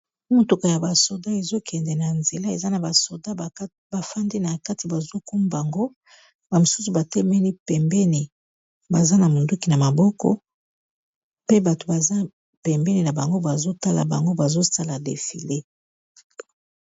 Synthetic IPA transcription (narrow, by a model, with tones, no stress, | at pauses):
mo˨to˨ka˨ja˨ba˨so˨da˦e˨zo˦kʰɛ˨ndɛ˨na˨nze˨la˦e˨za˦na˨ba˨so˨da˦˨˦ | ba˨fa˦ndi˦na˨ka˦ti˨ba˨zo˦ku˦m˦ba˨ŋɡo˦ | ba˨mo˨su˦su˨ba˨tɛ˦mɛ˦ni˦pɛ˨mbɛ˦ni˨ | ba˨za˦na˨mo˨ndu˦ki˨na˨ma˨bɔ˦kɔ̰˨˦ | pe˦ba˨to˨ba˨za˦ | pɛ˨mbɛ˦ni˨na˨ba˨ŋɡo˦ba˨zo˦ta˦la̰˨ba̰˨ŋɡo˦ba˨zo˦sa˦la˨dḛ˨fḭ˨le˦